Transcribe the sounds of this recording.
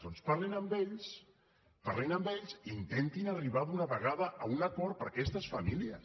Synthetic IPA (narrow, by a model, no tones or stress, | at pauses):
onspaɾlinəmbeʎs | paɾlinəmbeʎzint̪ent̪inariβ̞aðunaβəɣaðəʔəunakɔɾ̚pəɾakɛst̪əsfamiliəs